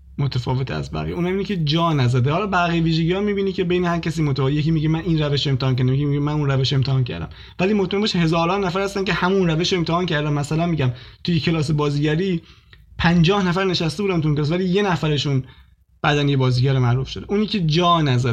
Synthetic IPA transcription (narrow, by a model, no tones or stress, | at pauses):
mot̪ʰæfɒːve̞t̪ʰeæ̰zbæ̰ɣḭjuːnhæminicʲʰe̞d͡ʒɒːnæzæd̪ehɒːlɒːbæɣiːeviːʒeɟiːɒːmiːbiːnicʰe̞bejnehæɾcʲʰæsiːmot̪ʰæejeciːmiɟemæniːnræveʃoemt̪ʰehɒːnk̬ʲcæɾd̪emeimiɟemænuːnræveʃoemt̪ehɒːncʰæ̰ɾd̪æ̰m | væliːmot̪mæembeʃhe̞zɒːɾɒːnːæfæɾhæst̪æncʰehæmunɾæveʃoemt̪ʰehɒːncʰæɾd̪æmmæsælænmiːɟæmt̪ʰujecʰe̞lɒːs̬e̞bɒːziːɟæɾiː | pʰænd͡ʒɒːhnæfæɾne̞ʃæst̪e̞buːd̪ænt̪ʰuinkeːs̬væliːje̞næfæɾeʃun | b̥æːd̪ænjebɒːziːɟæɾimæɾuːfʃod̪eʔuːniːcʰe̞d͡ʒɒːnæzæ